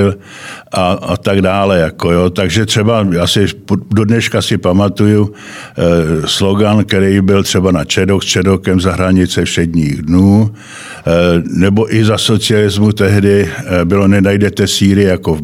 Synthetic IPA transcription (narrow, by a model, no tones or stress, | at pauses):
l | ʔaa̰t̪aɡdaːlɛjakojoːt̪aɡʒɛt̪r̥ɛbajaːsɪpdodnɛʃkasɪpamat̪uju | slo̞ɡankɛɾɛjbɪlt̪r̝̥ɛbanat͡ʃɛdokst͡ʃɛdokɛmzaɦɾaɲɪt͡sɛfʃɛdɲiːɣdnuː | nɛbo̞ʔɪzaso̞t͡sɪalɪzmut̪ɛɦdɪbɪlo̞nɛnajdɛt̪ɛsiːɾɪjakov